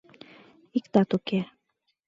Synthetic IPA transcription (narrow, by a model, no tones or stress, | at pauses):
ikt̪ɑt̪uke